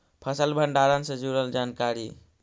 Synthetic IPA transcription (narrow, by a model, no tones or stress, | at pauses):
pʰəsəlbʱəɳɖaɾansẽd͡ʒuɾəld͡ʒankaɾḭ